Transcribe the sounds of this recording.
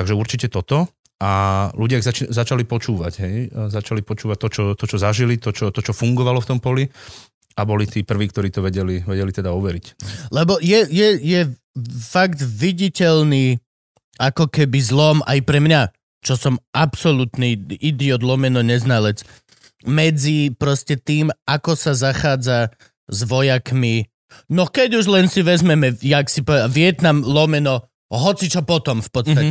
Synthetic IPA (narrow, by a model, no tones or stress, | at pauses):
t̪aɡʒɛuɾt͡ʃicɛt̪ɔt̪ɔ | aluɟɪaɣzat͡ʃizat͡ʃalipɔt͡ʃuːʋa̰ɟɦɛjzat͡ʃalipɔt͡ʃuːʋac̚t̪ːɔt͡ʃɔt̪ɔt͡ʃɔzaʒilit̪ɔt͡ʃɔt̪ɔt͡ʃɔfuŋɡɔʋalɔft̪ɔmpɔli | abɔlit̪iːpr̩ʋiːk̚t̪ɔɾiːt̪ɔʋɛɟɛliʋɛɟɛlit̪ɛd̪aɔʋɛɾiclɛbɔjɛjɛjɛ | faɡd̪ʋiɟicɛlniː | akɔkɛbizlɔma̰jpɾɛmɲa | t͡ʃɔsɔmapsɔlut̪niid̪iɔd̪lɔmɛnɔɲɛznalɛt͡s | mɛd͡zipɾɔscɛt̪iːmakɔsazaxaːd͡za | zʋɔjakmi | nɔkɛɟuʒlɛnsiʋɛzmɛmɛjaksipɔʋɛd̪aʋɪɛt̪namlɔmɛnɔ | ɦɔt͡sit͡ʃɔpɔt̪ɔmfpɔt̪st̪aɛ